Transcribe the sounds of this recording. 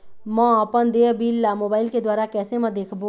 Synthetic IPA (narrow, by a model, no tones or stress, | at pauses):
mɛ̃əpənd̪eːbiːlːamoːbaːɪlked̪waːɾakɛːsemɛ̃d̪eːkʰbo